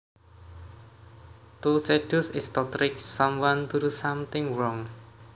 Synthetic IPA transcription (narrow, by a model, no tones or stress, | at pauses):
t̪used̥usɪst̪ɔt̪ɾɪksamwant̪uɾusamt̪ɪ̃ŋɹɔŋ